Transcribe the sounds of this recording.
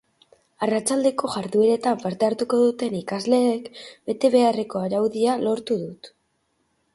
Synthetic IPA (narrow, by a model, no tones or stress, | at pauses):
arat͡ʃald̪e̞ko̞ʝaɾðue̞ɾe̞t̪aɱpaɾt̪eaɾt̪uko̞ðut̪e̞nikazle̞ːkbe̞t̪e̞βe̞are̞ko̞aɾawðialo̞ɾt̪uðut̪